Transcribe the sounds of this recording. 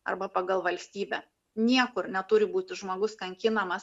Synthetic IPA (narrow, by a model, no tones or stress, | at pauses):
ɐ̰ɾbɐpɑɡɐlˠʋɐlʲsʲt̪ʲiːbʲɛ | nʲiɛkʊɾnʲɛt̪ʊɾʲɪbuːt̪ʲɪʒmoːɡʊskɐŋʲkʲɪnɐmɐs